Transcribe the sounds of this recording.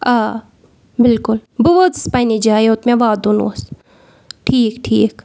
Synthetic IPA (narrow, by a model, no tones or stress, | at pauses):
aː | bɪlkʊlbuʋod͡zɨspajnid͡ʒaːeʊt̪mẽʋaːd̪unṵs | ʈʰiːkʈʰiːk